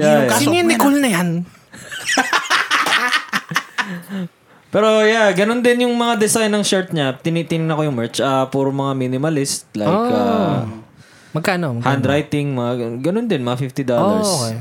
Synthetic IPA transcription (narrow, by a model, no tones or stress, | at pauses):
jaanɪkolnɐjan | pɛːɾo̞jaɡɐno̞nd̪ɪnjʊŋmɐŋad̪ɛsajnːɐŋʃɛɹt̪̚ɲat̪ɪnit̪ɪnɪnɐkojʊŋmɛɹt͡ʃɐpuːɾmɐŋaminɪmɐlɪst̪̚lajka | mɐɡkaːnohand̪ɾajt̪ɪŋmɐŋaɡɐnond̪ɛnmɐŋafɪft̪ɪd̪olɐɹsok